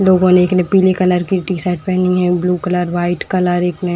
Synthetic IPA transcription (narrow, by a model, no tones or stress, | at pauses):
loːɡõneɪknẽpiːlikɐləɾkiʈisaːɪʈ̚pɛɦniɦɛ̃bluːkɐləɾʋaːɪʈkɐləɾeːkʰne